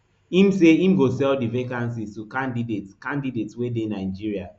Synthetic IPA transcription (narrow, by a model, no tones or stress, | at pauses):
ĩmseĩmɡosɛldivekãnsiztukãndidetkãndidetwedenaɪd͡ʒiɹia